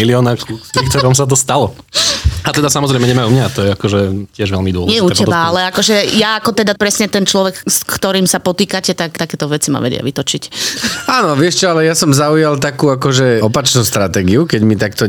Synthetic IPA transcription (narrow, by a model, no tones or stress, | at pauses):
iliɔnaːɾkuɾikt̪ɛɾɔmsat̪̬ɔst̪alɔ | at̪ɛd̪asamɔzɾɛɪmɛɲɛmaumɲaːt̪ɔjɛakɔʒɛcɪɛʒʋɛlmid̪ʊɔlɲɪɛuɛcɛbaalɛakɔʒɛjaːkɔt̪ɛd̪apɾɛsɲɛt̪ɛnt͡ʃlɔʋɛkskt̪ɔɾiːmsapɔt̪iːkacɛt̪akt̪akɛːt̪ɔʋɛt͡sima̰ʋɛ̰ɟɪa̰ʋit̪ɔt͡ʃicaːnɔʋɪɛʃt͡ʃɔalɛjasɔmzaujalˠt̪akuːakɔʒɛɔpat͡ʃnuːst̪ɾat̪ɛːɡiukɛɟmit̪akt̪ɔ